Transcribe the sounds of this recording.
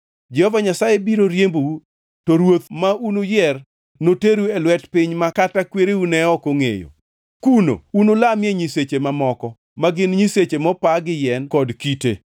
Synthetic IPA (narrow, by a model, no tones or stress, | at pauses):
d͡ʒɛhɔvaɲasajebiɾoɾjembowu | tɔɾwot̪maunojɛr | noteɾuɛlwɛtpɪɲmakatakweɾeunɛɔkoŋḛjo̰ | kuno̰unolamjeɲiset͡ʃemamɔkɔ | maɡɪnɲiset͡ʃemɔpaɡɪjɛnkɔdkite